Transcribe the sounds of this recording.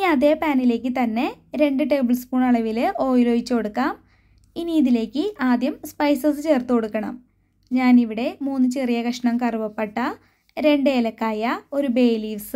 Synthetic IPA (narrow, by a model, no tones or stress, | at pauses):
iniɐðe̞ːpaːnile̞ːk̬ʲːɨt̪ɐnːe̞ɾe̞ɳɖɨʈe̞ːbɨlspuːɳɐɭɐʋilɨo̞ːjloːjit͡ɕːuko̞ɽukːaːm | iniːðile̞ːkʲːɨʔaːd̪jɐmspɐjsɐsɨt͡ɕe̞ːrt̪ːukoɽukːɐɳɐ̰m | ɲaːniʋiɽe̞muːnːɨt͡ɕerijɐkɐʂɐɳɐmkɐribɐpːeʈːɐ | ɾe̞ɳɖeːlɐkːaːjɐo̞ɾube̞ːliːʋsɨ